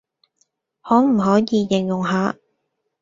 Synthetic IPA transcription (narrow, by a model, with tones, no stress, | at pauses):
hɔː˨˥m̩˨˩ɦɔː˨˥jiː˨˧jɪ˨˩ŋjʊ˨˩ŋɦaː˨˧